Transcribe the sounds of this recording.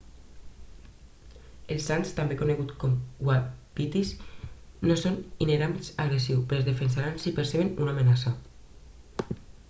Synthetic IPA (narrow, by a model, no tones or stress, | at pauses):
elˠsːanst̪ambekoneɣut̪kɔmɡwapit̪isnosonineɾamlsaɣɾesiwpeɾzðefensaɾansipeɾseβenunamenasa